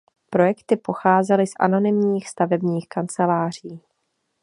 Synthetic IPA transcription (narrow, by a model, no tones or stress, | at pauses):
pɾo̞jɛkt̪ɪpo̞xaːzɛlɪsʔa̰no̞nɪmɲiːxst̪avɛbɲiːxkant͡sɛlaːr̝̥iː